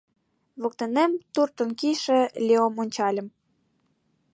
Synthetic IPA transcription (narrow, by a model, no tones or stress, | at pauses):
βok̚t̪enemt̪urt̪ŏnkiʃĕlʲeomonʲt͡ɕɑlʲə̆m